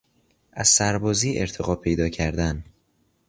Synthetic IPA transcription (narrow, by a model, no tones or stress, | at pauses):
ʔæz̥sæɾbɒːziːʔe̞ɾt̪ʰeɣɒːpʰe̞jd̪ɒːcʰæɾd̪æn